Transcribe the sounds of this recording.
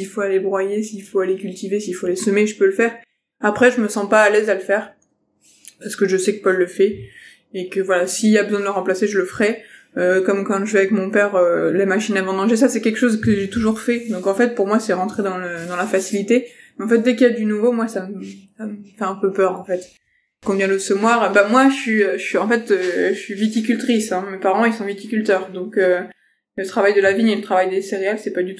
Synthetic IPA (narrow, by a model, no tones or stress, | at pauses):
silfoalebʁwajesiilfoalekʲylt̪ivesiilfoalesəmeʒəpøləfɛːʁ | apχɛʒəməsɑ̃paːlɛzaləfɛːʁ | paʁsə̥kəʒəsɛkə̥pɔlːəfɛ | ekəvwalasiːlabəzwɛ̃d̪ələʁɑ̃plaseʒələfəχɛ | økɔmkɑ̃ʒəvɛavɛkmɔ̃pɛʁølemaʃinavɑ̃d̪ɑ̃ʒes̬asɛkʲɛlkʃozkəʒet̪uʒuʁfɛd̪ɔ̃kɑ̃fɛt̪̚puʁmwasɛʁɑ̃t̪χed̪ɑ̃ləd̪ɑ̃lafasilit̪e | mɛɑ̃fɛt̪̚d̪ɛkiljad̪ynuvomwasaməsaməfɛɛ̃pøpœʁɑ̃fɛt̪ | kɔ̃d̪jɛ̃losɔmwaʁbamwaʃəsɥiøəsɥiɑ̃fɛt̪øəsɥivit̪ik̬ʲylt̪χisɛ̃mepaʁɑ̃ilsɔ̃vit̪ikʲylt̪œːʁd̪ɔ̃kø | lət̪χavajd̪əlaviɲelət̪χavajd̪eseʁealsɛpad̪yt̪u̥